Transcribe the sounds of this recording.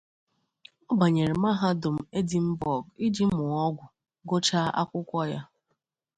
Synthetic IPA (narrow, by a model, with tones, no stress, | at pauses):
ɔ˦ba˨ɲe˨ɾi˨ma˦ɦa˦dʊ˨m̩˨e˦di˨m̩˦bɔ˨ɡi˦d͡ʒi˦m̩˦mʊ˨ɔ˦ɡʷʊ˨ | ɡo˦t͡ʃa˦a̰˦kʷʊ˦kʷɔ˦ja˦